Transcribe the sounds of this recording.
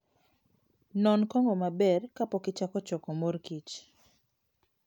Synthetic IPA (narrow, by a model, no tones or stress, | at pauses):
nɔnkɔŋɡɔmabɛrkapɔkɪt͡ʃakɔt͡ʃɔkɔmorkit͡ʃ